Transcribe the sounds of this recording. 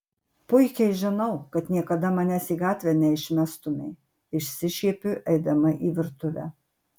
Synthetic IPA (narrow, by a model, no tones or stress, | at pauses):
pʊɪkʲɛɪʒʲɪnɐʊkɐt̪nʲiɛkɐd̪ɐmɐnʲæsiːɡɑːt̪ʲʋʲɛːnʲɛɪʃʲmʲɛst̪ʊmʲɛɪ | ɪʃʲsʲɪʃʲiɛpʲʊʔɛɪd̪ɐmɐʔiːʋʲɪɾt̪ʊʋʲæ̰ː